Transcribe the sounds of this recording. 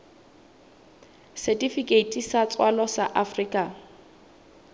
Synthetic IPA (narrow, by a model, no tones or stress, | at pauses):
sɛtifikʼeitʼisat͡sʼwalɔsaʔafriːkʼa